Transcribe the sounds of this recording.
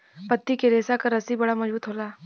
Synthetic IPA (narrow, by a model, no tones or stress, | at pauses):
pɐt̪ːikeɾeːsakaɾɐsibɐɽamɐd͡ʒbuːt̪ɦoːlaː